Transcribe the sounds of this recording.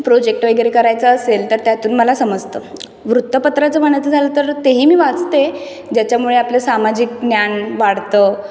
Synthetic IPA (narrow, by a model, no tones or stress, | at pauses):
pɾod͡ʑek̚ʈʋəjɡɾekəɾajt͡saəselt̪əɾt̪jat̪uːnməlasəməd͡zt̪ə | ʋɾut̪ːəpət̪ɾat͡səmaɳ̃at͡səd͡zʱalət̪əɾt̪eɦiːmiːʋat͡st̪e | d͡ʑjat͡ɕjamuɭeaplesamad͡ʑik̚njanʋaɽ̤t̪ə